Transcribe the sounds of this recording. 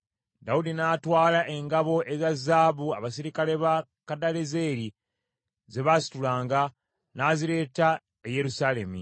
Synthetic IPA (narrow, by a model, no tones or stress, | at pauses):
daudinaːtwaːlaʔe̞ŋɡaβo̞ʔe̞zazːaːβuaβasiɾikale̞βa | kadaleze̞ːɾi | ze̞βasi̥tulaːŋɡa | naːziɾe̞ːta | eje̞ɾusale̞mḭ